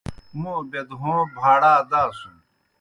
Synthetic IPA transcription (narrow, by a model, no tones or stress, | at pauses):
mũːbed̪ɦõːbʱaːɽaːd̪aːsun